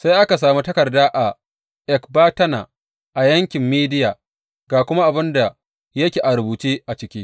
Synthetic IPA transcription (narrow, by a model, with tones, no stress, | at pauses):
sa˦jʔa˦ka˨s̬aː˨mu˦tɐ˦kɐ˨rdaː˦ʔa˨ | ʔɛ˨kbaː˦tɐ˦na̰ː˨ | ʔa˨jɐ˦ŋkʲɪ˨mːiː˦dɪ˦jaː˨ | ɡaː˨kʷʊ˦ma˦ʔa˨bɪ˦nda˨ | jɐ˦kʲeː˨ʔa˨ɾʊ˨buː˨t͡ʃeː˦ʔa˨t͡ʃɪ˦kʲiː˦